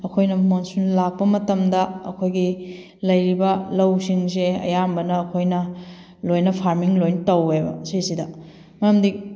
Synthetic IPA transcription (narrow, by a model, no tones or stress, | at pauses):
ɐkʰojnɐmonsunlak̚pɐmɐtɐmdɐɐkʰojɡi | lɐjɾibɐlɐwsiŋseɐ̰jambɐnɐːkʰojnɐ | lojnɐpʰaɾmiŋlojnɐtɐwebɐ̰sisidɐ | mɐɾɐmdi